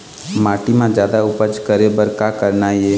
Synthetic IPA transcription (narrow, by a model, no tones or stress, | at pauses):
maːʈimãd͡ʒjaːd̪aʊpət͡ʃkəɾebəɾkaːkəɾnaje